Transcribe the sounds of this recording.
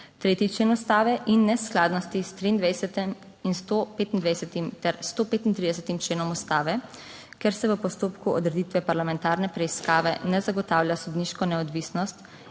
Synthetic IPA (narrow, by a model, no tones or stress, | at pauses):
t̪ɾeːt̪it͡ʃleːnust̪aːʋɛʔinːɛsklaːd̪nɔst̪ist̪ɾiːnd̪ʋɛjsɛt̪ɛm | inst̪opeːt̪ind̪ʋajsɛt̪imt̪ɛɾst̪oːpeːt̪int̪ɾid̪ɛsɛt̪imt͡ʃleːnɔmust̪aːʋɛ | kɛɾsɛʋəpɔst̪oːpkuɔd̪ɾɛd̪it̪ʋɛpaɾlamɛ̃nt̪aːɾnɛpɾɛiskaːʋɛnɛzaɡɔt̪awlʲjasud̪niʃkɔnɛɔd̪ʋisnɔst̪